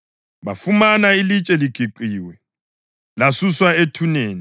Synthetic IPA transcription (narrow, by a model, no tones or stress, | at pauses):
βafumanailit͡ʃʼɛliɡ̥ʱiǃiːwɛ | lasuswaetʰuneːni